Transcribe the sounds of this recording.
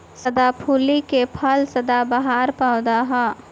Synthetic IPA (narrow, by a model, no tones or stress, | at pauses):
səd̪apʰuːlikepʰəlsɐd̪abəɦaːɾpaːʊd̪aɦɛ